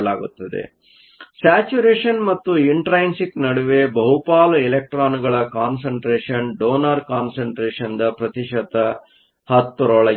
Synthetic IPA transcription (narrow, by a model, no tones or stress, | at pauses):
laːɡut̪ːɐd̪ḛ | saːt͡ʃuɾeːʂɐnmɐt̪ːuiɳʈɾɐjnsiknɐɽuʋebɐɦupaːluilek̚ʈɾaːnuɡɐɭɐkaːnsɐɳʈɾeːʂɐnɖoːnɐɾkaːnsɐɳʈɾeːʂɐnd̪ɐpɾɐt̪iʂɐt̪ːɐ | hɐt̪ːuɾɔɭɐ